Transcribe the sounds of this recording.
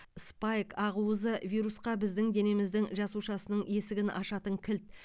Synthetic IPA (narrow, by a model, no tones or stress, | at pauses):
spɑjkɑʁuəzəvʲijɾusqɑbɪzd̪ɪŋd̪e̞ne̞mɪzd̪ɪŋʒɑsuʃɑsənəɴe̞sɪɡʲɪnʔɑʃɑt̪əŋkʲʰɪlt̪̚